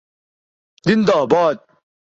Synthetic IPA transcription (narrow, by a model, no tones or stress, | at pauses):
d̪ind̪ɔbɔt̪̚